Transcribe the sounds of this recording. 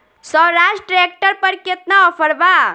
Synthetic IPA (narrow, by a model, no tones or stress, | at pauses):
sɔwɾasʈɾek̚ʈəɾpəɾket̪naɔpʰəɽba